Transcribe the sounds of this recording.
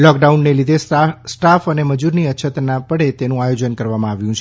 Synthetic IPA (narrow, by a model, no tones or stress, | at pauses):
lɔk̚ɖaunːelid̪ʱesʈafəneməd͡ʒuɾniətːʃʰət̪napəɽet̪enũajod͡ʒənkəɾʋamãaʋjũt͡ʃʰe